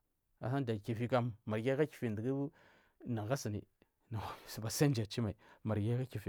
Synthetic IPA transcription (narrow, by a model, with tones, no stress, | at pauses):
a̰˨sa˦n˦da˨ki˨fi˦ka˦mːa˨ɾɡʲa˦ka˦ki̥˨fi˨n˨də˨ɡi˦bu˦ | na˨ɣa˦si˨nḭ˨ | na˨a˨˦˨sba˨sa˦n˦d͡ʒa˨t͡ʃi˦ma˨i˨ma˨ɾɡʲa˦ka˦ki˨fi˨